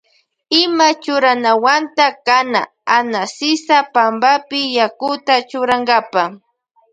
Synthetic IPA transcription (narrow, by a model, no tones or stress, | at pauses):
ɪmat͡ʃʊɾanawant̪akana̰ | anasɪsapambapɪjakʊt̪at͡ʃʊɾaŋɡapa